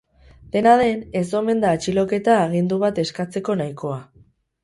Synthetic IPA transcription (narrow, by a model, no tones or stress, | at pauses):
d̪̥e̞naðe̞ne̞so̞me̞nd̪aːt͡ʃilo̞ke̞t̪aːɣ̞ind̪uβ̞at̪e̞skat͡se̞ko̞najko̞a